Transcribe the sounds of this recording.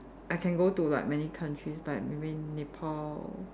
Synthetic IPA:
ʔaɪkʰɛ̃nɡotula̰ɪjk̚mɛnikʰãntʰɹislaɪt̚mebĩnepʰɔl

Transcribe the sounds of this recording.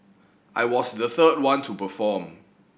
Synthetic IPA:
ʔajwɔsdəθəd̚wãntʰupəfɔm

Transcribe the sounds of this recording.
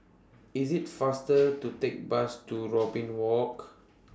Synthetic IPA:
isitfastətutek̚bastuɹɔbĩnwɔk

